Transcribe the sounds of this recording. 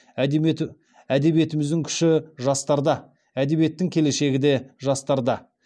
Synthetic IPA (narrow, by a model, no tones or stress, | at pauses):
æd̪e̞bije̞t̪ɪmɪzd̪ɪŋkʲʰʏ̥ʃɪʒɑst̪ɑɾd̪ɑ | æd̪e̞βije̞t̪ːɪŋkʲʰe̞le̞ʃe̞ɡʲɪd̪e̞ʒɑst̪ɑɾd̪ɑ